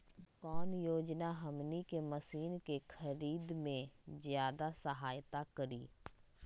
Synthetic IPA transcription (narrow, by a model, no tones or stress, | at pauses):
kɔːnjoːd͡ʒnaɦəmnikeməsiːnkexʰəɾiːd̪mẽzjaːd̪asəɦaːjt̪akəɾḭː